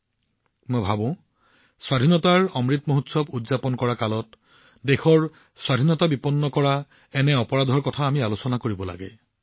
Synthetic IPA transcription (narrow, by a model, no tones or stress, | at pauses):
mojbʱabʊ̃ | swadʱinɔtaɹɔmɹitmoɦutsɔbudzapɔnkɔɹakalɔt | dexɔɹ | swadʱinɔtabipɔnːɔkɔɹa | ɛnɛɔpɔɹadʱɔɹkɔtʰaːmialosɔnakoɹibɔla̰ɡɛ